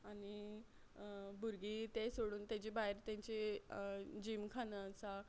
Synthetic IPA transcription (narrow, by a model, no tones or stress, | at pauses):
aɽi | bʱuɾɡit̪esoɽuːnt̪at͡ɕibaɦeɾt̪jãɲt͡ɕe | d͡ʑiːmkʰanəsa